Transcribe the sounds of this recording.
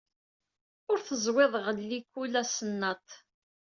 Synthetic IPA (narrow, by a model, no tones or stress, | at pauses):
ʊɾθəzˤweðˤʁəlːikulæsənːɑt̪